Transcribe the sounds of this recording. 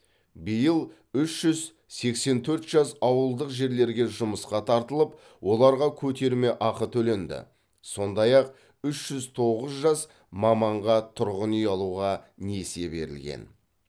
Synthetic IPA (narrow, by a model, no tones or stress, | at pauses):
bijəlˠ | ʏʃʒ̥ʏz | se̞kse̞nt̪ʰɵɾt̪ʒ̥ɑsɑwəlˠd̪əqʒe̞ɾle̞ɾɡʲe̞ʒʊməsqɑt̪ʰɑɾt̪əlˠəp | wʔo̞lˠɑɾʁɑkʲʰɵt̪e̞ɾme̞ʔɑqət̪ʰɵle̞nd̪ɪ̰ | so̞nd̪ɑjɑq̚ | ʏʃʒ̥ʏzt̪ʰo̞ʁəzʒɑs | mɑmɑɴʁɑt̪ʰʊɾʁənʏjɑlˠuʁɑ | ne̞se̞be̞̰ɾɪ̰lɡʲe̞̰n